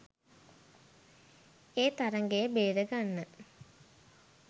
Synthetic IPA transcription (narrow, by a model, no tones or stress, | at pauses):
eːt̪aɾəŋɡejəbeːɾəɡanːə